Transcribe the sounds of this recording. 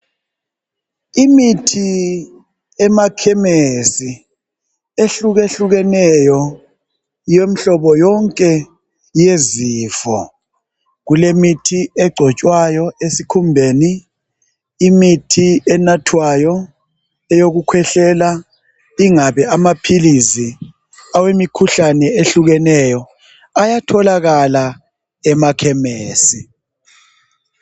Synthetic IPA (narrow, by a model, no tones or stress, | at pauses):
imitʰi | ɛmakʰɛmesi | eɬuɣeɬuɣɛnɛjɔ | jem̩ɬɔβɔjɔŋkʼɛ | jeziːfɔ̰ | ɣulemitʰiɛɡ͡ǀʱɔt͡ʃʼwajɔesikʰumbʱeni | mitʰiɛnatʰwajɔ | ɛjoɣukʰwɛɬɛla | iŋaβɛamapʰilizi | awemikʰuɬanɛeɬuɣɛnɛjɔ | ajatʰɔlaɣala | ɛmakʰɛmeːsi